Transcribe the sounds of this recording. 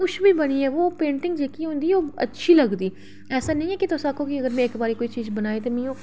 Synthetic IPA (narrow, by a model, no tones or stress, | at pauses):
ʊʃʰbʱiːbəniːɛːʋoːpẽːɳʈɪ̃ŋɡd͡ʒeːkiɦõːnd̪iːoːə̰tːʃʰiːləɡd̪iː | ɛːsaːnə̃ĩɛːkit̪oːsaːkʰoːkiəɡəɾmɛ̃eːkbaːɾiːkoːit͡ʃiːzbənaːiːt̪emĩːõː